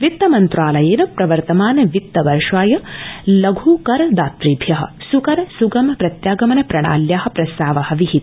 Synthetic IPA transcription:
ʋit̪ːɐmɐnt̪ɾaːlɐjeːnɐpɾɐʋɐɾt̪ɐmaːnɐʋit̪ːɐʋɐɾʂʋaːjɐlɐɡʱuːkɐɾɐd̪aːt̪ɾiːbʱjɐɦɐ̰sukɐɾɐsuɡɐmɐpɾɐt̪jaːɡɐmɐnɐpɾɐɳa̰ːljaːɦɐ̆pɾɐst̪aːʋɐhɐ̆ʋiɦit̪

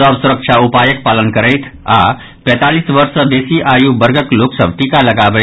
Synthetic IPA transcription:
əbsuɾəkʃʰaupajək̚palənkəɾəjt̪ʰa̰ | pɛ̃ːt̪aliːsʋəɾsəd̪esiʔajubəɾɡəkloksəbʈikaləɡabə

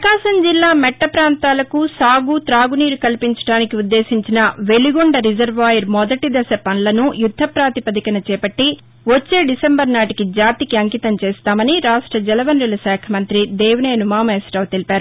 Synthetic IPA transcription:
ɐkaːʃɐmd͡ʒilːaːmɛʈːɐpɾaːnt̪aːlɐkusaːɡut̪ɾaːɡuniːɾukɐlpiɲt͡ʃɐ̥ɽaːnikiud̪ːeːsiɲt͡ʃinɐʋeliɡoɳɖɐɾid͡ʒɐɾʋʋaːjɐɾmɔd̪ɐʈid̪ɐsɐpɐnlɐnujud̪ʱːɐpɾaːt̪ipɐd̪ikɐnɐt͡ʃɛːpɐʈːi | ʋot͡ʃːe̞ːɖisembɐɾnaːʈikid͡ʒaːt̪ikiɐŋkit̪ɐmt͡ʃeːst̪aːmɐniɾaːʂʈɾɐd͡ʒɛlɐʋɐnɾilɐsɛːkʰɐmɐnt̪ɾid̪ɛːʋneːɐnumaːmeːsʈɐwt̪elipaːɾu

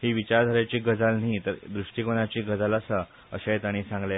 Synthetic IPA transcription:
hiːʋit͡ɕaɾd̪ʱəɾat͡ɕiːɡəd͡zalnɦiːt̪əɾd̪ɾuʂʈikonat͡ɕiːɡəd͡zaləsə | əɕajt̪aɽ̃iːsãŋɡle

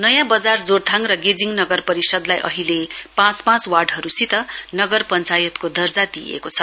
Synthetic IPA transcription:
nʌjãbʌd͡zard͡zort̪ʰãŋrʌɡed͡ziŋnʌɡʌrpʌɾisʌd̪lajʔʌ̰ɦilepãt͡smãt͡swarɖɦʌɾusit̪ʌnʌɡʌrpʌnt͡sajʌt̪kod̪ʌrd͡zad̪ijḛkot͡sʰʌ

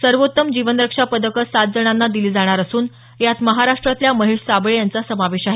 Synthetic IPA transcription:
səɾʋot̪ːəmd͡ʑiʋənɾəkʂapəd̪əkəsad̪d͡zəɽ̃anːad̪iliːd͡zaɽ̃aɾəsuːn | jat̪məɦaɾaʂʈɾat̪ljaməɦeʂsabɭejant͡sasəmaʋeɕaɦe

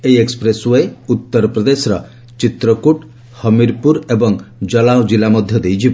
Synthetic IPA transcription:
ejekspɾesuejut̪ːɔɾɔpɾɔd̪esɔɾɔ | t͡ʃit̪ɾɔkuʈ | hɔmiɾpuɾebɔŋd͡ʒɔlawd͡ʒilamɔd̪ʱjɔd̪ejt͡ʃʰibɔ

